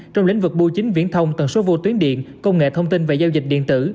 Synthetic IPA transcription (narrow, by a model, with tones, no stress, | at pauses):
t͡ɕɔ˧wŋ͡mlï˧˥ŋ̟vɨ˨˩k̚ɓu˧t͡ɕï˨˦ŋ̟vḭ˧˥ənt̪ʰə˧wŋ͡mt̪wə˨˩nso˨˦vo˧t̪wi˨˦ənɗḭ˧˨ənkə˧wŋ͡mŋḛ˧˨t̪ʰə˧wŋ͡mt̪i˧nve˨˩zaː˧wzi˨˩k̚ɗḭ˧˨ənt̪ɨ˧˩